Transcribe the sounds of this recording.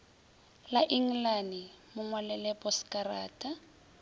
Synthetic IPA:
laʔiŋ̩lanɪmʊŋwalɛlɛpʼɔskʼaraːtʼa

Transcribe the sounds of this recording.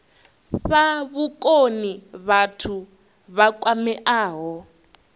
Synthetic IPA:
ɸaβukʼoniβatʰu | βakʼwamɛʔaːɦɔ

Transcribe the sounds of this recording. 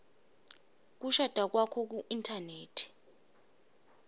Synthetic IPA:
k̬uʃad̥ʱak̬wakʰɔk̬uʔintʰʼaneːtʰi̥

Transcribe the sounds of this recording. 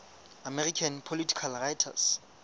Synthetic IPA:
amɛrikʰanpʰolitʰi̥kʰalrajtʰa̰s

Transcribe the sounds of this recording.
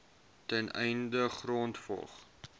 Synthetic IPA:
tɛnʔɛ̰jndəχroːntfɔ̰lˠχ

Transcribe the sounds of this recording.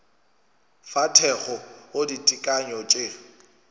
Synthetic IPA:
fatʰɛχɔoditʼikʼaɲɔt͡ʃʼe

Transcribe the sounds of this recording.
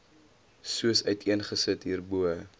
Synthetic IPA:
suəsœɥtiənχəsətɦiːrbuə

